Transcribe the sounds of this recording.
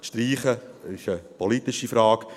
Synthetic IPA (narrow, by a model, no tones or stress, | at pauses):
ʃtriːχəɪʃəpʰɔlit̪ɪʃifɾɑːk